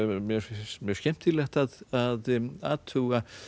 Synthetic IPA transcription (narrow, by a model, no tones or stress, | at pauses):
mjɛɾmjœɾsçɛm̥t̪ʰilɛht̪aðaða̰ːt̪ʰuɣa